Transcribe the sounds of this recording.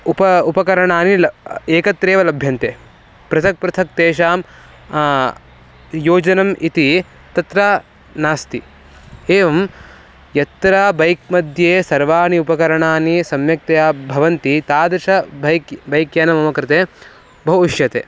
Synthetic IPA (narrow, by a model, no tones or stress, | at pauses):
upɐupɐkɐɾɐɳaːnilɐeːkɐt̪ɾeːʋɐlɐbʱjɐnt̪eː | pɾɐt̪ʰɐk̚pɾɐt̪ʰɐk̚t̪eːʃaːm | joːd͡ʒɐnɐmʔit̪i | t̪ɐt̪ɾaː | naːst̪i | eːʋɐm | jɐt̪ɾaːbɐjk̚mɐd̪ʱjeːsɐɾʋaːniupɐkɐɾɐɳaːnisɐmjɐk̚t̪ɐjaːbʱɐʋɐnt̪it̪aːd̪ɾʃɐbɐjkbɐjkjaːnɐmɐmɐkɾɪt̪eː | bɐɦuiʃjɐt̪eː